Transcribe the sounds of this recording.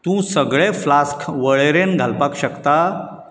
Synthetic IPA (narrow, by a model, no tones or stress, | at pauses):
t̪ũsəɡɭeflaskʰʋəɭeɾenɡʱalpakɕəkt̪a